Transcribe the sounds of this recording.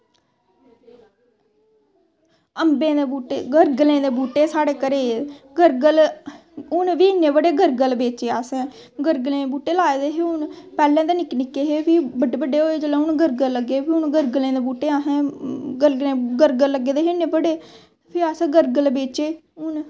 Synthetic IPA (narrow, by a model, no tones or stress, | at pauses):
əmbẽːd̪eːbuːʈeːɡəɾɡlẽːd̪eːbuːʈeːsaːɽeːkəɾeːɡəɾɡəl | ʊnʋiːɪnːẽːbəɖeːɡəɾɡəlbeːt͡ʃeːaːsɛ̃ː | ɡəɾɡlẽːbuːʈeːlaːeːd̪eːɦeʊnpɛːlɛ̃ːd̪eːnɪknɪkːeːɦeːpʰɪbəɖeːbəɖːeːɦoːeːd͡ʒəlẽːʊnɡəɾɡəlːəɡeːpʰiʊnɡəɾɡlẽːd̪eːbuːʈeːasɛ̃ːɡəɾɡlẽːɡəɾɡəlːəɡeːd̪eːɦɪneːbəɖeː | pʰɪaːsɛ̃ːɡəɾɡəlbeːt͡ʃeː | ʊn